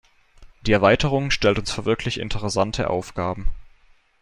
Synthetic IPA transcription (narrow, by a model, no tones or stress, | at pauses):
d̥iːɛɐvaɪtʰəʁ̞ʊŋʃtɛltʊnsfyːɐvɪɐkʰlɪçɪ̰ntʰəʁɛsantʰəʔa̰ʊfɡ̥aːbm̩